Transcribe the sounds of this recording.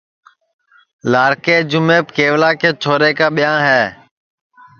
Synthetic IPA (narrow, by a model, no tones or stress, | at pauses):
laːɾkeːd͡ʒʊmeːp̚keːʋlaːkeːt͡ʃʰoːɾeːkaːɓɪjãːɦɛː